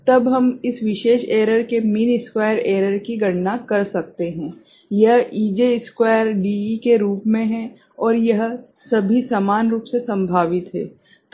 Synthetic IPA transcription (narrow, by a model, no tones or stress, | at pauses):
t̪ɐbɦɐmɪsʋɪʃeːʃeːɾəɾkemiːnɪskwaːjəɾeːɾəɾkiɡɐɽnakɐɾsɐk̚t̪eɦɛ̃ː | jɐɦiːd͡ʒeɪskwaːjəɾɖiːikeɾuːpmẽɦɛ̃ | ɔːɾjɐɦ | sɐbʱisaːmaːnɾuːpsesɐ̃mbʱaːʋɪt̪ɦɛ̰̃ː